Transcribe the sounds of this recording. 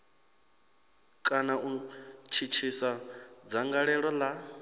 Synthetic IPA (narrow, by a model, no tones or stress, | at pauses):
kʼanaʔut͡ʃʰit͡ʃʰisad͡zaŋɡaɺɛɺɔla